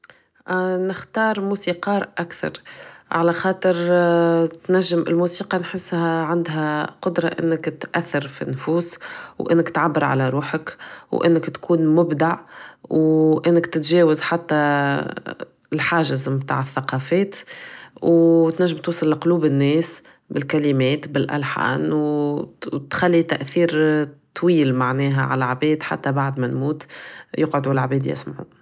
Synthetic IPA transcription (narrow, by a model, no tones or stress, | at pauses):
nɪxt̪ɑːɾˤmuːsiːqɑːɾʔakθɑ̰ɾˤʕalæxɑːt̪ˤəɾ | t̪næʒːɪmɪ̰lmuːsiːqɑnħɪsːhæʕand̪ɦæqʊd̪ɾˤɑ̰ʔɪ̰nːɪkt̪ʔæθːɪɾfḭnːfuːswʔɪ̰nːɪkt̪ʕabːɪɾʕa̰læɾˤuːħəkwʔɪ̰nːɪkt̪kʰuːnmʊbd̪aʕwʔɪnːɪkt̪ɪt̪ʒɛːwɪzħat̪ːæ | lħaːʒɪzmt̪a̰ʕəθːaqɑfɛːt̪wt̪næʒːɪmt̪uːsˤɑlːqluːbɪnːɛːs | bɪlkælimɛːt̪bɪlʔæ̰lħa̰ːnw | t̪xalːit̪æʔθiːɾt̪ˤːwiːlmaʕnɛːɦæʕa̰læʕbɛːd̪ħa̰t̪ːæbaʕd̪mænmuːt̪jɪqʕʊd̪ulʕbɛːd̪jɪ̰smaʕṵ